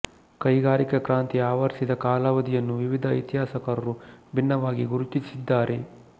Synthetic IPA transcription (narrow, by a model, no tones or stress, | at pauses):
kɐjɡaːɾikɐkɾaːnt̪iaːʋɐɾsid̪ɐkaːlaʋɐd̪ijɐnːuʋiʋid̪ʱɐ̰jt̪iɦaːsɐkɐɾɐɾubʱinːɐʋaːɡiɡuɾut̪isid̪ːaːɾʔe̞